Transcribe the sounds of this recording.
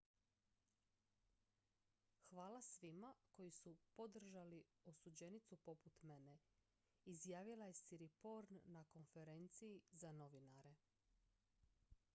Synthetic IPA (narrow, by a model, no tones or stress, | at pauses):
xʋaːlasʋimako̞jisupod̪r̩ʒalio̞sud͡ʑe̞nit̪supo̞put̪mene | izjaːʋilaje̞siɾipo̞ɾnːako̞nfe̞ɾe̞nt̪sijizano̞ʋinaɾe̞